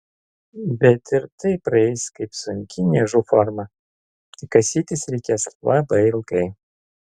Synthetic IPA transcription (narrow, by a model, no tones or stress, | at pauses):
bʲɛt̪ɪɾt̪ɐɪpɾɐɛɪskɐɪpsʊŋʲkʲɪnʲɛʒufɔɾmɐ | t̪ʲɪkɐsʲiːt̪ʲɪsɾʲɛɪkʲeːslˠʔɐbɐɪlˠkɐɪ